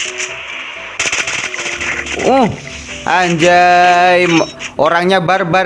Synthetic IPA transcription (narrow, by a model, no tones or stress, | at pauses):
uh | ʔaɲd͡ʒajmoɾaŋɲabarba